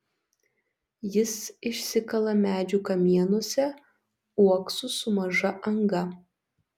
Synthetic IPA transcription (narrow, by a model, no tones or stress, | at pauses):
jɪsɪʃʲsʲɪkɐlˠɐmʲæːd͡ʒʲukɐmʲiɛnuɔsʲɛ | uɔksʊsʊmɐʒɐʔɐŋɡɐ